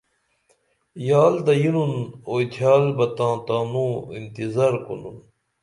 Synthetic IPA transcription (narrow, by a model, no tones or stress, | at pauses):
jaːld̪ɐjinunoːt̪ʰjaːlbɐt̪ãːt̪ãːnũːint̪izaːɾkṵnun